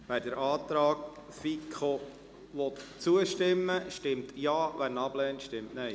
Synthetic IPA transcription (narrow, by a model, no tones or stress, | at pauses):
ʋædəɾʔɑːt̪ɾɑːɡ | fikʰχo | ʋɔt̪t͡suəʃtɪmːəʃtɪmt̪jɑːʋæɾnɑb̥lɛːntʃtɪmtnɛɪ